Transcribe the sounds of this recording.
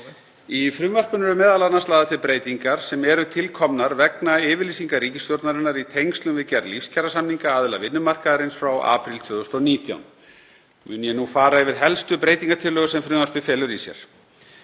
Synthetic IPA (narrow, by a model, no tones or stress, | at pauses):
ifɾʏmvar̥pʏnɛɾʏmɛːðalanːanst̪aːðat̪ʰɪlpɾeːjt̪iŋkaɾ̥sɛmɛɾʏt̪ʰɪlkʰɔmnaɾvɛknaɪːvɪɾliːsiŋkaɾiːcɪst̪jowɾt̪naɾɪnːaɾit̪ʰejŋst̪lʏmvɪðcɛɾlifscʰɛɾasamniŋkaaːðʏla̰vɪnːʏmar̥kaðaɾɪnsfɾawʔa̰ːpɾilt̪ʰvʏːðʏst̪ɔniːt̪ja̰wn | mʏnjɛnufaːɾaɛvɪɾ̥ɦɛlst̪ʏpɾeːjt̪iŋkat̪ʰɪlːœːɣʏsɛmfɾʏmvar̥pɪfɛːlʏɾisjɛ̰ɾ̥